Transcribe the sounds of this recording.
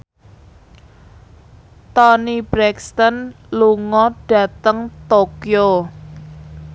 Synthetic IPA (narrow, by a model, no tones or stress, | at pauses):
t̪ɔnibɾɛkst̪ən | luŋɔɖ̥ä̤t̪əŋt̪okjo